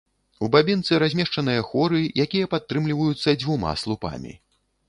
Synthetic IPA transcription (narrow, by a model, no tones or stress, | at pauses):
ubabʲint̪sɨɾazʲmʲɛʂt͡ʂɐnɨjɐxɔɾɨjakʲijɐpat̪ːɾɨmlʲivɐjut̪sːɐd͡zʲvuma̰slˠupa̰mʲḭ